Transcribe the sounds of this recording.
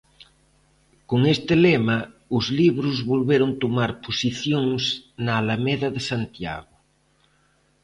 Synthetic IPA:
koŋest̪ɪlema | ʊzliβ̞ɾʊzβolβeɾont̪omaɾposiθjoŋsnaːlameðɐðesant̪ja̰ɣʊ

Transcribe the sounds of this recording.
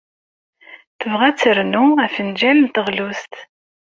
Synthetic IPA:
θəvʁæt͡sːəɾnuæfənd͡ʒælnt̪əʁlust̪

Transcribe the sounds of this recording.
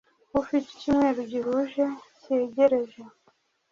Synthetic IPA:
ufiti̥cimŋe̞ːɾoɟiɾuʒeceɟeɾe̞ʒe

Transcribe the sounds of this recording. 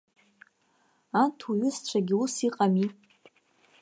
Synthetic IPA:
antʰuɥʏst͡ʃʷʰaɡʲɪusiqʼami

